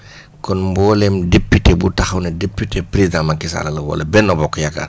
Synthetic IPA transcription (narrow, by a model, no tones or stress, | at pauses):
kɔnmbɔːlɛmdepːitebutɐxɐwnɐdepːitepɾezdãmɐŋkisa̰lɐlɐwɔ̰lɐbɛnːɐbɔkːɔjɐkːa̰